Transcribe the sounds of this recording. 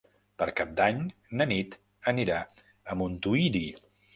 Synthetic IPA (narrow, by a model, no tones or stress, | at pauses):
pəɾkap̚d̪aɲnənit̪ | əniɾa | əmunt̪uiɾi